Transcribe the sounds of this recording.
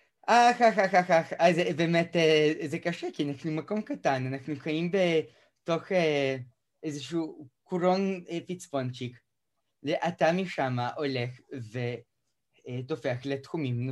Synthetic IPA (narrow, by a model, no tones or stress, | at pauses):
ʔaxaxaxaxaxazɛbemɛt̪ɛɛzɛkaʃɛkinaxnumakomkat̪ananaxnukaimbe | t̪oxe | ɛzʃ̬ukuɾonfit͡sfont͡ʃik | leʔat̪amiʃamaʔolɛxve | t̪ofeaxlet̪xumimn